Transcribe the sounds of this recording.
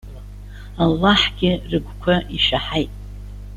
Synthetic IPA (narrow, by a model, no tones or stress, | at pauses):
alːaħɡ̥ʲɪrɨɡʷkʷʰaʔiʃaħajtʼ